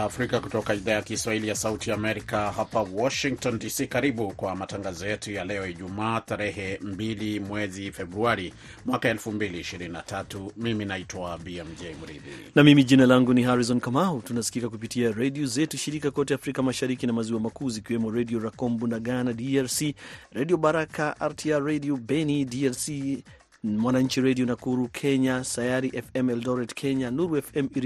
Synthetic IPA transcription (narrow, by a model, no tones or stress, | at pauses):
fɾikakutɔkaiðaːjakiswahilijasautiaːmɛɾikahapawɔʃiŋk̚tɔndisiːkaɾiɓukwamataŋɡazɔjɛtujalɛɔiʄumaːtaɾɛhɛmbilimwɛzifɛbɾuaɾi | mwakaɛlfumbiliːʃiɾininatatumiminaitwabiɛmd͡ʒejmuɾḭð̰ḭnamimiʄinalaŋɡuniɦaɾizɔnkamautunasi̥kikak̬upitiaɾɛdiɔzɛtuʃiɾikakɔtɛafɾikamaʃaɾikinamaziwamakuzikiwɛmɔɾɛdiɔɾakɔmbunaɡanadiaɾsiɾadiɔɓaɾakaʔaɾtʰiaɾɛdiɔbɛnidiaɾsi | mwanaɲ̩t͡ʃiɾɛdiɔnakuɾukʰɛɲasajaɾiʔɛfɛmɛldɔɾɛtkʰɛɲanuɾuɛfɛmiɾ